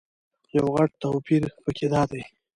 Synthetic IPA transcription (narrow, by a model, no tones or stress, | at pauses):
jawɣaʈ̚t̪awpiɾpəkʰed̪ɑd̪aj